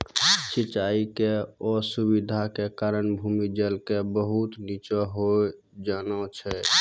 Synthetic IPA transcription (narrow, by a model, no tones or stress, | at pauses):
t͡ʃʰit͡ʃaikeɔsubid̪ʱakekaɾənbʱumid͡ʒəlkebəɦut̪nit͡ʃɔɦo | d͡ʒanɔt͡ʃʰɛ